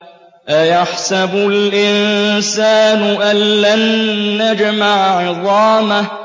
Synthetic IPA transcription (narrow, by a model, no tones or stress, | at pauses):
ʔajaħsabʊlʔɪnsaːnʊʔanːanːad͡ʒmaʕʕɨðˤɑːma